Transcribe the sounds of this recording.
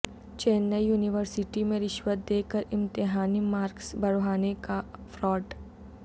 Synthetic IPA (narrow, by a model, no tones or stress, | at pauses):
t͡ʃeːnːəijuːnɪʋəɾsɪʈimẽɾɪʃwət̪̚d̪eːkəɾɪ̃mt̪ɪɦaːnimaːɾksbɐɾɦaːnekafɾɔːʈ